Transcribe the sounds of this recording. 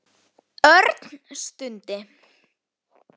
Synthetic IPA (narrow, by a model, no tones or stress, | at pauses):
œɾt̪n̥st̪ʏnt̪ɪ